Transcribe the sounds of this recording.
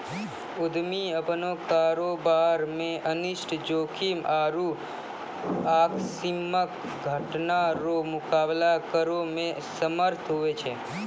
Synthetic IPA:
ʊd̪miəpnokaɾobaɾmẽʔənɪʃʈʰd͡ʒokʰimʔaɾu | aksimək | ɡʱəʈnaɾomʊkablakəɾomẽsəməɾt̪ʰɦuʋet͡ʃʰe

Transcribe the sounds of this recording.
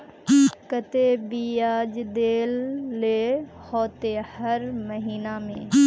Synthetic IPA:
kət̪ebiːaːd͡ʒd̪eːlːeːhoːt̪ehɐɾməɦiːnamḛ̃ː

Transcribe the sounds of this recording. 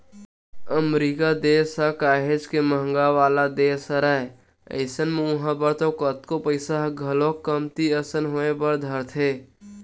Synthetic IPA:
əmɾiːkad̪eːsakaːɦed͡ʒkeməɦŋɡaʋaːlad̪eːsəɾae | ə̰ɪsənmeʊɦãbəɾt̪õkət̪kopəɪsaɦɡʱəlõkəmt̪iəsənɦoːepəɾd̪ʱəɾt̪ʰeː

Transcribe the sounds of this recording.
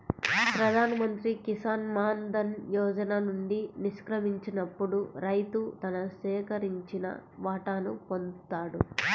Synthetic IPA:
pɾɐd̪ʱaːnɐmɐnt̪ɾikisaːnmaːnd̪ɐnjɔːd͡ʒɐnanuɳɖiniʃkɾɐmiɲt͡ʃinɐpːuɽuɾɐjt̪ut̪ɐnɐʃɛːkɐɾiɲt͡ʃinɐ̰ʋaːʈanupo̞nt̪aːɽu

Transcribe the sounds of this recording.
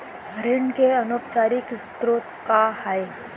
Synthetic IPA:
ɡʱɾɪɳkeɐnoːpt͡ʃaːɾikɪst̪ɾoːt̪kahaj

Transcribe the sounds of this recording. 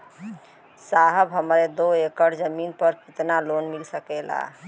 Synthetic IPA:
saɦəbɦəmɾed̪oekəɾd͡ʒəminpəɾkit̪nalonmilsəkɛla̰

